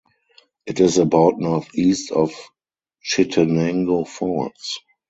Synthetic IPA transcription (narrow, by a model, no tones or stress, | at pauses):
ʔɪtɪsəbaʊtnɔθiːstɔf | t͡ʃɪtʰənɛ̃ŋɡofɔts